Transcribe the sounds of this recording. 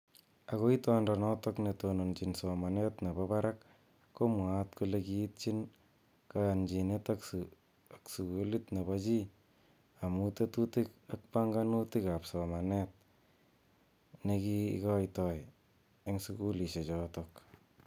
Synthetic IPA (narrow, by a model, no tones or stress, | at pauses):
aɣoitandanɔtɔknetonont͡ʃinsomanetnebabaɾakː | omwatkulekit̚t͡ʃin | kajand͡ʒinetak | aksukulitneβat͡ʃi | amutetutikak̚paŋɡanutikapsɔmanet̚ | nekikɔjtɔj | eŋsukuliʃet͡ʃɔtɔk